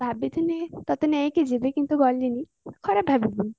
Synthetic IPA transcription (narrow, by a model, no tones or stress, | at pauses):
bʱabit̪ʰinet̪ɔt̪enɛjkid͡ʒibekint̪ubɔlːini | kʰɔɾabʱabibun